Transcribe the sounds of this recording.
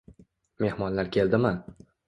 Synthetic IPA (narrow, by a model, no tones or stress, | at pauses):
me̞hmɒnlaɾkʲʰe̞ld̪ɪman